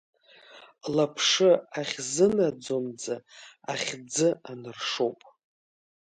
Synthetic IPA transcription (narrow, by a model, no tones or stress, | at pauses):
lapʰʂɨaχʲzɨnad͡zomd͡zaaχʲd͡zɨanɨrʂo̞wpʼ